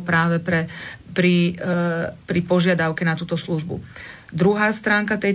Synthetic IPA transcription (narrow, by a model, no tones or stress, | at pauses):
pɾaːʋɛpɾɛpɾi | pɾipɔʒɪad̪aʊkɛnat̪uːt̪ɔsluʒbṵ | d̪ɾuɦaːst̪ɾaːŋkat̪ɛj